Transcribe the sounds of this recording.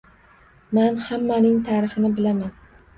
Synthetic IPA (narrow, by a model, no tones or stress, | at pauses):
manhamːanɪŋt̪ʰaɾɪχɪnɪbɪlaman